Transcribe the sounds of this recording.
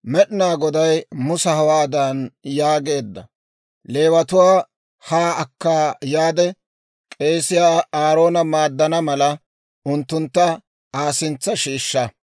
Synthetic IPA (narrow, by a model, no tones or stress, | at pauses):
mɛɗɪnaːɡɔd̪ɐjmʊsɐhɐwaːd̪ɐnjaːɡe̞ːd̪ːɐ̰ | le̞ːwɐt̪ʊwaː | haːɐkːaːjaːd̪ɛ | kʼe̞ːsɪjaːaːɾo̞ːnɐmaːd̪ːɐnɐmɐlɐ | ʊnt̪ːʊnt̪ːɐ | aːsɪnt͡sːɐʃiːʃːɐ